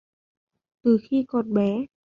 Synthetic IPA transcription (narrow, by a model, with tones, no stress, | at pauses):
t̪ɯː˨˩xʰiː˧˩˨kɔː˨˩t̪̚bɛː˨˦